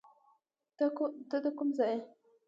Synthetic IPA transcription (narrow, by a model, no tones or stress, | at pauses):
t̪d̪əd̪əkumzaje